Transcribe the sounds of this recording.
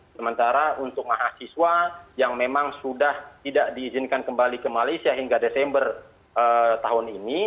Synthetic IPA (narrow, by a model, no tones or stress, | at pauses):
səmənt̪aɾaʔunt̪ʊk̚maɦasiswajaŋmemaŋsudaht̪idaʔdiːzɪnkankəmbalikəmalejsiaɦiŋɡadesɛmbər | ʔət̪aɦʊnini